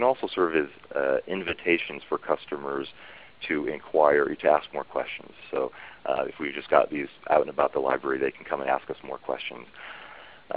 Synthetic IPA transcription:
ɨ̃nɔlˠsoʊsɜ˞v̥ɨzɪ̃ɱvɨtʰeɪʃɨ̃n̩z̥fə˞kʰʌstɨmə˞z̥ | tʰɨɪ̃nkʰw̥aɪə˞ɾʰɨæsk̚mɔɹkʰw̥ɛ̰st͡ʃnz̥soʊɨ̰fwivd͡ʒʌsɡ̥ɑ̰t̪̚ðizʔa̰ʊɾɨ̃nəbaʊt̪̚ðəla̰ɪbɹɛɹiðeɪkʰn̩kʰʌ̃mə̃næ̰skʌsmɔ̰ɹkʰw̥ɛ̰st͡ʃɨ̃nz̥

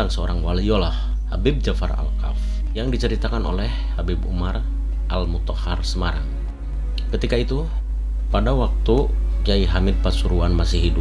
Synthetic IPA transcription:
aŋsəo̰ɾaŋwalijolah | ha̰bɪb̚d͡ʒafa̰ra̰lka̰f | jaŋdit͡ʃəɾit̪akano̰lɛhːabibṵmar | ʔalmut̪ɔha̰rsəmaɾa̰ŋ | kət̪ikait̪u | padawak̚t̪u | d͡ʒaiɦamɪd̪̚pasuɾuanmasiɦidu

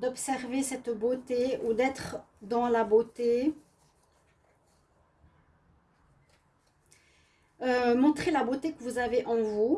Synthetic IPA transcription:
d̪ɔpsɛʁvesɛt̪bot̪eud̪ɛt̪χ | d̪ɑ̃labot̪e | ømɔ̃t̪χelabot̪ekəvuzaveʔɑ̃vu

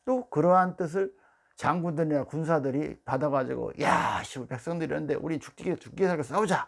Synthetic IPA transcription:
t͈okɯɾʌɦant͈ɯs̬ʰɯɭ | t͡ɕaŋɡundɯɲakuns̬ʰadɯɾḭpadaɣad͡ʑḭɡo̰ja̰ɕʰibope̞k̚s͈ʌŋdɯɾinɯnde̞̰ʔṵɾinnt͡ɕu̥k̚t͈iɡit͡ɕu̥k̚k͈iesʰaɭɡes͈aud͡ʑa

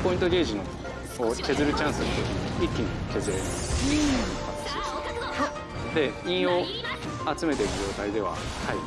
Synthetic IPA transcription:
po̞ĩnt̪o̞ɡʲe̞ːʑino | koːk̪e̞zɨɾɯ̟t͡ɕãɰ̃sɨɾot̪okʲiɲiikʲːinok̪e̞zɨɾeikat̪ːeses | d̪e̞ĩɰ̃o̞ | at͡sɨme̞t̪e̞iɾɯ̟ʑo̞ːt̪aid̪e̞β̞a̰ | hai

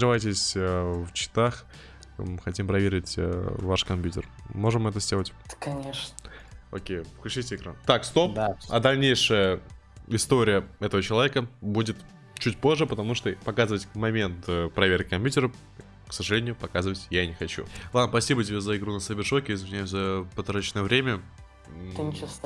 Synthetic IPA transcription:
ɾɨvajtʲɪsʲəft͡ɕɪ̥t̪ax | xɐtʲimpɾɐvʲeɾʲɪtʲvaʂkɐmʲpʲjʲutʲɪ̰rmo̞ʐɨmːɛt̪əzʲdʲe̞lˠətʲkɐnʲeʂ | o̰kʲejklʲʉt͡ɕɨtʲɪɪkɾa̰nt̪akst̪o̞p̪ɐ̰d̪ɐlʲnʲejʂɨjə | ɪst̪o̞ɾʲɪjəɛt̪əvət͡ɕɪlˠɐvʲekəbudʲɪt̪ | t͡ɕut̚ʲpo̞ʐːɨpət̪ɐmuʂt̪opɐkazɨvətʲvmɐmʲe̞nt̪əpɾɐvʲerkʲɪkɐmpʲjutʲɪɾə | ksəʐɨlʲenʲɪjʊpɐkazɨvətʲjanʲɪxɐt͡ɕṵlˠad̪spɐsʲibətʲɪbʲezəɪɡɾunəsəbʲɪʂokʲɪɪzvʲɪnʲajʊzəpɐt̪ɾat͡ɕnəjəvɾʲemʲə

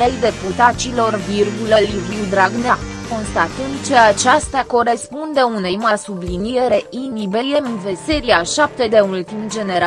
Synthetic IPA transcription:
ejd̪e̞put̪at͡ʃilo̞rvirɡulelʲriwd̪ɾaɡnako̞nst̪at̪ənd̪̚t͡ʃe̞at͡ʃast̪ako̞ɾespund̪e̞une̞jmasublinije̞ɾe̞ʔinibejemvese̞ɾiaʃap̚t̪e̞d̪e̞ult̪imd͡ʒe̞neɾa

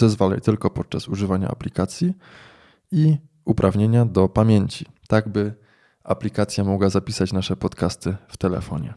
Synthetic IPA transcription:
zɛzvalɛ̰jt̪ɘlkɔpɔt̪̚t͡ʂasuʐɘvaɲa̰a̰plʲikat̪sʲji | i | upɾʔavɲeɲad̪ɔpamʲjeɲt͡ɕit̪aɡbɘ | a̰plʲikat̪sʲjamɔɡwazapʲisat͡ɕnaʂɛpɔt̪kast̪ɘft̪ɛlɛ̰fɔ̰ɲɛ̰

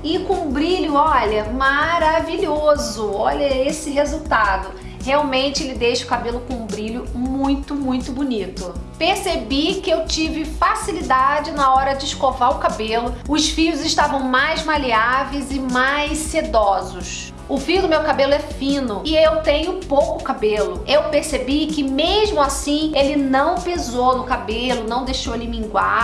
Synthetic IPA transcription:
ɪkõũʊ̃bɾiʎʊɔʎɐmaɾaviʎozʊɔʎɐesɪɦezuwt̪ad̪ʊ | heawmẽnt͡ʃɪelɪd̪ejʃɐʊkabelʊkõũbɾiʎʊmũj̃t̪ʊmũj̃t̪ʊbunit̪ʊpeɾsebikɪewt͡ʃivɪfasilid̪ad͡ʒɪnɐɔɾɐd͡ʒɪʃkovaɾʊkabelʊʊsfiʎʊzɪʃt̪avɐ̃w̃majzmaliavejzɪmajsed̪ɔzʊs | ʊfiʊd̪ʊmewkabelʊɛfĩnʊɪewt̪ẽɲʊpowkʊkabelʊewpeɾsebikɪmeʒmʊasĩelɪnɐ̃w̃pezownʊkabelʊnɐ̃w̃d̪ejʃowelɪmĩŋɡwa

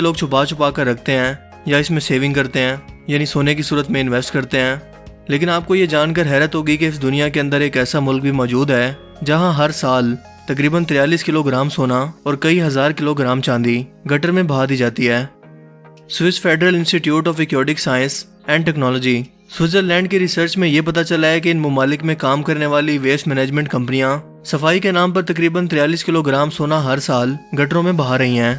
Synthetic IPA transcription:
eloːɡ̚t͡ʃʰʊpat͡ʃʰʊpaːkəɾːɐkʰt̪eɦɛ̃ː | jaɪsmẽseːʋɪ̃ŋɡkɐɾt̪eɦɛ̃ːjaːnisoːnek̬isuːɾət̪mẽɪ̃nʋɛːsʈkɐɾt̪eɦɛ̃ː | leːkɪnaːp̚kojed͡ʒaːnkəɾɦɛːɾət̪ɦoːɡəikeɪsd̪ʊnijakeɐ̃nd̪əɾeːkɛːsamʊlk̚bʱimɔːd͡ʒuːd̪ɦɛː | d͡ʒɐɦãɦɐɾsaːl | t̪ɐk̬ɾiːbənt̪ɪɾjaːliːskɪloɡɾaːmsoːnaɔːɾkɐiɦɐzaːɾkɪloɡɾaːmt͡ʃãːnd̪iɡɐʈəɾmẽbɐɦaːd̪iːd͡ʒaːt̪iɦɛː | sʋɪsʈfʰeːɖɾəlɪ̃nsʈiʈjuːʈɔːfɛkjɔːɖɪksaːɪə̃ns | ɛ̃ːɳɖʈɛːknɔːlɔːd͡ʒiː | swɪzəɾlɛ̃ːɳɖ̚keɾɪsəɾt͡ʃmẽjepɐt̪at͡ʃɐlaɦɛk̬eɪnmʊmaːlɪkmẽkaːmkɐɾneʋaːliʋeːsmɛːneːd͡ʒmɛ̃ɳʈkɐ̃mpənijã | sɐfaːikenaːmpɐɾt̪ɐkɾiːbənt̪ɾɪjaːliːskɪloɡɾaːmsoːnaɦɐɾsaːlɡɐʈɾõmẽbɐɦaɾɐɦiɦɛ̃ː

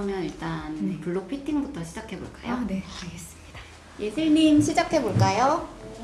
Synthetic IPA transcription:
ʌmjʌniɭt͈anpuɭːok̚pʰitʰiŋbutʰʌɕʰid͡ʑakʰe̞bo̰ɭk͈a̰jo̰neaɭɡe̞s͈ɯ̥mɲid̥a | je̞sʰɯɭɲimɕʰid͡ʑakʰe̞boɭk͈ajo

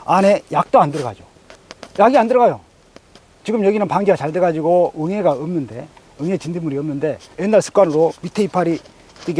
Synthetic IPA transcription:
ane̞jak̚t͈oandɯɾʌɡa̰d͡ʑo̰ | jaɡiandɯɾʌɡajo | t͡ɕiɡɯmjʌɡinɯnpaŋd͡ʑiɡat͡ɕaɭdeɡad͡ʑiɡoɯŋɦe̞ɡaɯmnɯnde̞ | ɯŋe̞t͡ɕindimuɾiʌmnɯnde̞enːaɭsʰɯ̥k͈wanɯɾomitʰeipʰaɾi | t͈iɡ

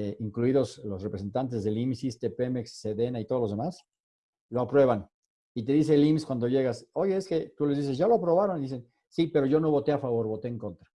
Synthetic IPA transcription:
iŋkluiðo̞slo̞srepɾesent̪ant̪̬e̞zðe̞limsist̪epemeksːeðenait̪o̞ð̞o̞lo̞zðemas | lo̞apɾwe̞β̞an | it̪e̞ðis̬e̞limskwand̪o̞ʝe̞ɣaso̞ʝeeske̞t̪ule̞zðis̬e̞sʝalo̞apɾo̞βaɾo̞niðise̞n | sipe̞ɾo̞ʝo̞no̞βo̞t̪e̞afaβo̞ɾβo̞t̪eeːŋko̞nt̪ɾa

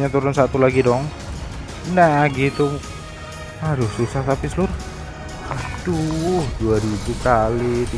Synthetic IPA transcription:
ɲat̪uɾʊnsat̪ulaɡidɔŋ | naɡit̪u | aɾʊsusaht̪apislʊr | aduduaɾibukalid̪

